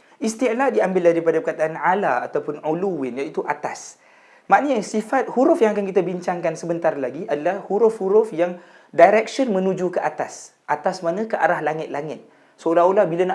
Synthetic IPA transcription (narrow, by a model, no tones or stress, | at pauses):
ʔist̪iaʔlahdiambɪldaɾipadapəkat̪aanʕalaːt̪awpʊnʕuluwɪnjait̪uʔat̪as | maʔnəsifat̪̚huɾʊfjaŋakankit̪abiɲt͡ʃaŋkansəbənt̪arlaɡiʔadalahhuɾʊfhuɾʊfjaŋ | dajɾɛk̚sənmə̃nũd͡ʒukəʔat̪as | ʔat̪asmanãkəʔaɾahlaŋɪt̪̚laŋɪt̪̚ | səolaolahbilana